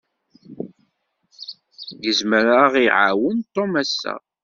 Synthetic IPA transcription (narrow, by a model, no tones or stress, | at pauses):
jəzməɾaʁiʕa̰wənt̪ˤːomæsːæ̰